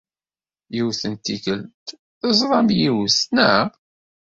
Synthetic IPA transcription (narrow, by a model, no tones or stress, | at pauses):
jiwθənt̪ikəlt̪ | θəzˤɾˤɑmjiwsnæ